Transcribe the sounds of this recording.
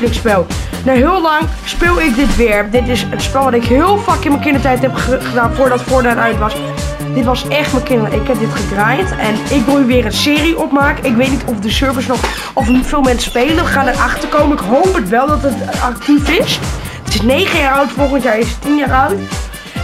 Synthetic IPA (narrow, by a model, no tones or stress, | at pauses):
lɪkspɛlˠ | naɦɪːlˠlɑŋspɪːlˠɪk̚dɪtʋɪːɹdɪtɪsətspɛlˠʋɑtɪkɦɪːlˠfaːkɪnməkɪndətɛjtɛpχəχədaːnfʊːɹdɑtfʊːɹdaːnœɥtʋɑs | d̥ɪtʋɑsɛχtməkɪnəʔɪkɦɛp̚dɪtχədrajntɛnɪkʋɪlˠyʋɪːrənsɪːriʔɔpmaːkəɪkʋejt̚nitɔfdəsøɹvəsnɔχ | ɔffɪːlˠmɛnsə̥spejlənʋəχaːnərʔɑχtəɹkowməɪkɦowpətʋɛlˠdɑtətɑk̚tifɪs | tɪsnejχəjaːɹœwtfɔlˠχəntjaːɹɪstinjaːɹœɥt